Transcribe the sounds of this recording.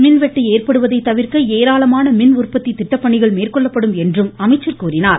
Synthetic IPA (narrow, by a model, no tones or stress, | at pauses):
mɪnʋɛʈːieːrpɐɽɯʋɐðɐɪt̪ːɐʋɪɾkɐeːɾaːlɐmaːnɐmɪnʊrpːɐt̪ːit̪ːɪʈːɐpːɐɳɪɣɐɭmeːrkɔɭːɐpːɐɽɯmɛndrɯmɐmɐɪt͡ʃːɐɾkuːrɪnaːɾ